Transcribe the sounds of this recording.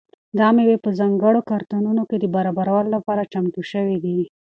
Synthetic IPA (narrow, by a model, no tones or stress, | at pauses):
d̪ɑmewepəzɑŋɡəɽokɑɾt̪anunoked̪əbaɾɑbaɾawəlolapɑɾat͡ʃamt̪uʃəwid̪i